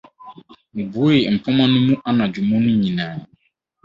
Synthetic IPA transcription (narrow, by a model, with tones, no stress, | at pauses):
mũ˨bu˨˦o˦e˨m̩˨pʰɔ˦mã˦nʊ̃˦mũ˦ʔa˦nã˨d͡ʑu˨mɔ̃˦nʊ̃˦ɲĩ˨nãː˨